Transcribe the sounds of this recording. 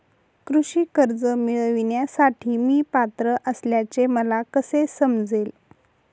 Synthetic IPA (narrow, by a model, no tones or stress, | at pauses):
kɾuɕiːkəɾd͡zəmiɭʋiɳjasaʈʰiːmiːpat̪ɾəʔəsljat͡seməlakəsesəmd͡zel